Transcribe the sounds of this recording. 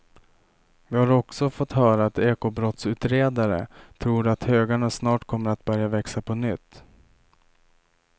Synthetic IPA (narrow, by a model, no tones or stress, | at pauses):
vɪhaɾɔksɔfɔt̪hœːɾaːt̪eːkobɾɔt̪sʉ̟ːt̪ɾeːd̪aɾə̰t̪ʰɾuːɾat̪høːɡaɳasnɑːʈkʰɔmːəɾat̪̚bœɾjavɛksapʰɔnʏt̪ː